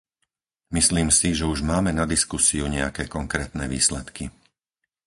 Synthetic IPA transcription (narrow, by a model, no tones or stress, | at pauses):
misliːmsiʒɛuʒmaːmɛnad̪iskusiuɲɛakɛːkɔŋkɾɛːt̪nɛːʋḭːslɛt̪ki